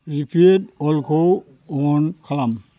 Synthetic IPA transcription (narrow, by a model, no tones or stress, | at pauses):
ɹipʰietɔlkʰow | ɔɔnkʰalam